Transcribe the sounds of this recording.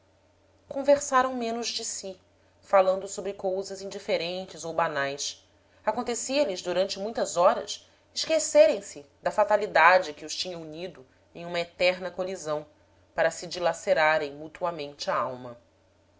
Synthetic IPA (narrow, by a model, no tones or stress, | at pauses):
kõveɾsaɾɐ̃w̃mẽnʊzd͡ʒɪsi | falɐ̃nd̪ʊsobɾɪkowzɐzĩd͡ʒifeɾẽnt͡ʃɪzowbanajs | akõnt̪esiɐlɪzd̪uɾɐ̃nt͡ʃɪmũj̃t̪ɐzɔɾɐ̰s | ɪʃkeseɾẽj̃sɪ | d̪ɐfat̪alid̪ad͡ʒɪkɪʊʃt͡ʃĩɲɐ̃uɲid̪ʊ | ẽj̃ũmɐet̪ɛɾnɐkolizɐ̃w̃ | paɾɐsɪd͡ʒilaseɾaɾẽj̃mut̪uɐmẽnt͡ʃɪaawmɐ